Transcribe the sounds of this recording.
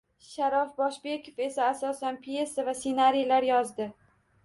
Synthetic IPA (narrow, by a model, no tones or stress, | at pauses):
ʃaɾɒfbɒʃbe̞kʰofe̞saːsɒsanpʰije̞savasenaɾijlaɾjɒzd̪ɪ